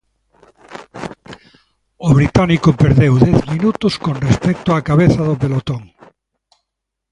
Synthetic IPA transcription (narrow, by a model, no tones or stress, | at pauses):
oβɾit̪anikopeɾðewðɛθminut̪ʊskonrespɛk̚t̪oakaβeθaðopelot̪oŋ